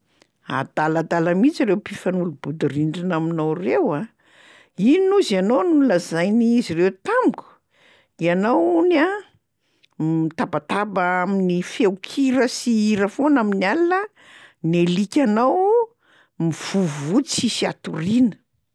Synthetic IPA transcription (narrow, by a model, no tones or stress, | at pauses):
a̰d̪alad̪alamit͡siɾewpifanulubud̪uriɳɖ͡ʐinaminawrewa | ininuzanownuləzajniizirewt̪amuku̥ | ianawuna | it̪abat̪abaaminifewkʰiɾəsiiɾəfonaminalilə | nelikʲanaw | miv̥uvvut͡sisiat̪uɾinə̥